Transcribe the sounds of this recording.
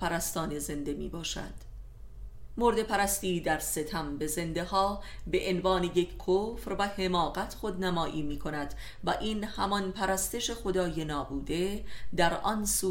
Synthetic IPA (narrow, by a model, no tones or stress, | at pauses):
pæɾæst̪ɒːneze̞nd̪e̞mḭːbɒːʃæ̰d̪̥ | moɾd̪e̞pʰæɾæst̪iːd̪æɾse̞t̪ʰæmbe̞ze̞nd̪e̞hɒːbe̞ʔenvɒːne̞jecʰkʰoːfɾvæhe̞mɒːɣæt̪ʰχod̪næmɒːʔiːmiːkʰo̞næd̪̥ | væʔiːnhæmɒnpʰæɾæst̪e̞ʃexo̞d̪ɒːje̞nɒːbuːd̪e̞d̪æɾʔɒnsuː